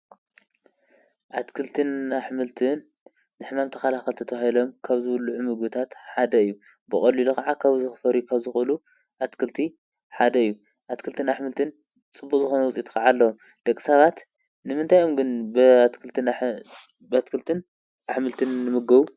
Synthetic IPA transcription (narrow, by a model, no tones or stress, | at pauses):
ʔat̪kʰɨlt̪ʰɨnaħmɨlt̪ʰɨnː | ɨħmamt̪ʰɐxalaxɐlt̪ʰɐt̪ʰɐβahilomkʰaβzɨβɨlːuʕumɨɡbɨt̪ʰat̪ħad̪ɐɨjːu | bɨxʼɐlːilukaʕakʰaβzɨxɨfɐɾjukʰaβzɨxɨlu | ʔat̪kʰɨlt̪ʰi | ħad̪ɐɨjːu | ʔat̪kʰɨlt̪ʰɨnaħmɨlt̪ʰɨn | t͡sʼɨbːukʼzɨxonɐwʊt͡sʼit̪kʰaʕalːɐwom | d̪̥ɐkʼːɨ̥saβat̪ | nɨmɨnt̪ʰajo̞mɡɨnbt̪kʰɨlt̪ɨ | bat̪kʰɨlt̪ʰɨn | ʔaħmɨlt̪ʰɨnːɨmɨɡɐβu